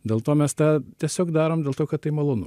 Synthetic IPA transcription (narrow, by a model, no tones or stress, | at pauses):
d̪ʲeːlˠt̪oːmʲɛst̪ɑːt̪ʲiɛsʲoːkd̪ɑːɾoːmdʲeːlˠt̪oːkɐt̪t̪ːɐɪmɐlˠoːnʊ̰